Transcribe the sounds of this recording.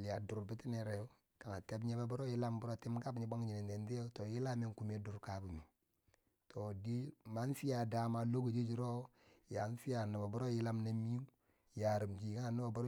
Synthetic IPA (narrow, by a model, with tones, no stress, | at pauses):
li˨ja˨du˨ɾbi˦ti˦ne˨ɾe˨jo˦ | ka˨na˨te˦bɲe˦ba˦bu˦ɾo˦ji˦la˦mbuɾo˦˨ti˦mka˦bɲi˨ba˦ŋd͡ʒi˨ne˨nde˨ndi˦o˦to˨ji˦la˦me˦ŋku˨me˨˦du˨ɾka˨˦bu˨mi˨ | tʰo˨di˦ma˦n˦fi˦ja˨da˨˦ma˨lo˦ɡo˨d͡ʒi˦d͡ʒi˨˦ɾo˦ | ja˨˦n˦fi˦ja˨na˨ba˨bu˦ɾo˦ji˦la˦mna˨mi˦u˦ | ja˨ɾi˨md͡ʒi˨˦ŋa˦˨nu˦bo˨bu˦ɾo˦